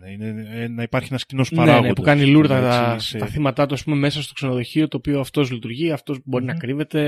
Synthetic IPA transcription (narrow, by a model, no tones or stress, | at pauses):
neineenɐipɐɾçienɐscino̞spnɐɾeaɣnepukɐniluɾðɐɐɐθimɐt̪ɐt̪uɐspume̞me̞sɐst̪o̞kse̞noðo̞çio̞t̪o̞ːpioɐft̪o̞zlit̪uɾʝiɐft̪o̞zbo̞ɾinɐkɾive̞t̪e̞